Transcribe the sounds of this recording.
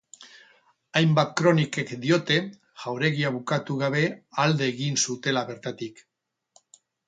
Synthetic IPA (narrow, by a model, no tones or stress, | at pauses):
ajmbat̪kɾo̞nike̞kd̪io̞t̪e̞ | ʝ̥awɾe̞ɣiaβ̞ukat̪uɣ̞aβ̞e̞ald̪e̞ːɣinsut̪e̞laβe̞ɾt̪at̪ik